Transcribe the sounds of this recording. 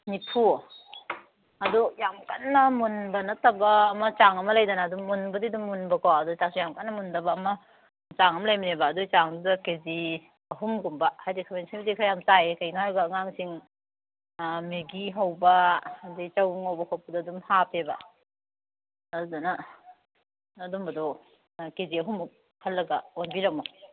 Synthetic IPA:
nipʰu | ɐdujamkanːɐmunbɐnɐtɐbɐːmɐt͡ʃaŋɐmɐlɐjdɐnaːduːunbɐdidumːunbɐkawɐdut͡ʃak̚sijamkatnɐmundɐbɐːmɐ | t͡ʃaŋɐmɐlajmiɾebɐːdut͡ʃaŋdudɐkezi | ɐɦumɡumbɐhajdikʰamensiŋbidikʰajamt͡ʃajekɐjnaaɾɡɐːŋaŋsiŋ | meɡiɦɐwbɐdit͡ʃɐwbuŋhɐwbɐkʰopɐdɐdumhapʰebɐ̰ | dudɐnɐ | dumbɐdɔ | keziɐɦumu | hɐlːɐɡɐ̰onbiɾɐmu

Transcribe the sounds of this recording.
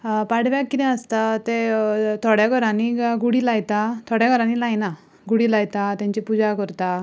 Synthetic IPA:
paɽ̤ʋjakːit̪ɛ̃əst̪at̪et̪ʰɔɽjaɡʱəɾãniɡuɽiːlajt̪at̪ʰɔɽjaɡəɾãnilajna | ɡuɽiːlajt̪at̪jãɲt͡ɕipud͡zakəɾt̪a

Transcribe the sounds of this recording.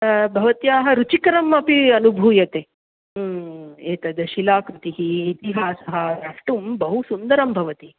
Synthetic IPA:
bʱɐʋɐt̪jaːɦɐ̆ɾut͡ʃikɐɾɐmɐpiɐnubʱuːjɐt̪eː | eːt̪ɐd̪ɐʃilaːkɾut̪iɦiːt̪iɦaːsɐɦɐ̆ɾɐʂʈumbɐɦusund̪ɐɾɐmbʱɐʋɐt̪i

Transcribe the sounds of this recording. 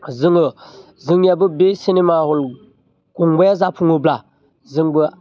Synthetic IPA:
zɨŋə | zɨŋjɛbəbesinimahʊl | kuŋɡ͡bɛzapʰuŋobla | zɨŋbə

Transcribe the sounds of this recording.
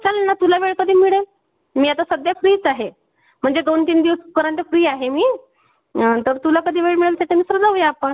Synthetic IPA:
t͡salenːat̪ulaʋeɭkəd̪ʱiːmiɭe | miːat̪asəd̪jafɾiːt͡saɦe | m̤əɳd͡zeɡəwnt̪iːnd̪iʋəskəɾant̪efɾiːaɦemiː | t̪əɾt̪ulakəd̪ʱiːʋeɭmiɭəlt͡sʰat̪emiːsɾəd͡zaujaapəɳ

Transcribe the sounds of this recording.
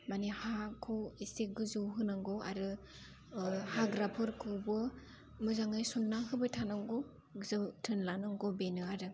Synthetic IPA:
manihakʰowisteɡɯzɯwɦɯnaŋɡɔa̰ɾɯ | haɡɾapʰɯɾkʰɯwbɯ | mɯzaŋɯjsunːaɦɯbɯtʰanaŋɡɔ | zɯtʰɯnlanɯŋɡɔbenɯaɾɯ

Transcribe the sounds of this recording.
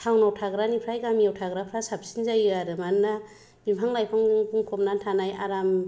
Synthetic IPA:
tʰawnawtʰaɡɾanipʰɾajɡamiawtʰaɡɾapʰɾasap̚sinzajɯaɾɯmanːa | bimpʰaŋlajpʰaŋzɯŋbuŋkʰɔpnantʰanaja̰ɾam

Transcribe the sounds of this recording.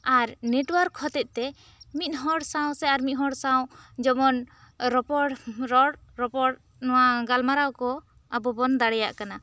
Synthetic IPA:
aɾneʈwaɾkhɔt̪ɛt̪̚ˀt̪ɛ | mit̪̚ɦɔɽsaw̃sɛaɾmit̪̚ɦɔɽsawd͡ʒɔmɔn | ɾɔpɔɽɾɔɽɾɔpɔʈ | nɔwaɡalmaɾawkɔ | abɔbɔnd̪aɽɛja̰ʔkana

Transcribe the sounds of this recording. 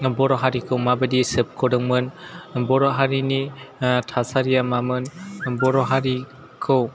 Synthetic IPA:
bɔɾɔɦaɾikʰɯwmabədisɯp̚kʰɔdɯŋmɯnbɔɾɔɦaɾinitʰasaɾijamamɯnbɔɾɔɦaɾi | kʰɯw

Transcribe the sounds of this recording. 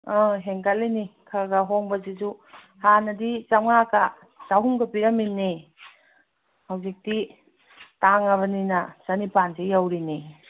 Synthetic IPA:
aɦeŋkalinikʰaɡɐɦoŋbɐzizu | hanɐdit͡ʃamŋaka | taɦumɡɐpiɾɐminːi | hawzik̚di | taŋɐβɐninɐsanipanzejawɾini

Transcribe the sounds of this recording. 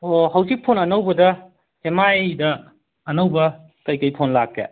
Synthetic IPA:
ohɐwzik̚pʰonɐnɐwbɐdɐ | emajdɐː | nɐwbɐ | kɐjkɐjpʰonlakḛ

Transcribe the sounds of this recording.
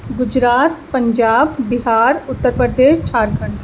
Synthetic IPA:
ɡʊd͡ʒɾaːt̪pə̃ɲd͡ʒaːbbɪɦaːɾʊt̪ːəɾpɾəd̪eːʃt͡ʃaːɾɡʱəɳʈ

